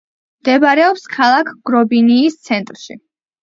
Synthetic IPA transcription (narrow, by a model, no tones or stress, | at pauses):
md̪ɛbɾɛɔpskʰalˠakʰɡ̥ɾɔbiniːst̪sʰɛnt̪ʼɾʃḭ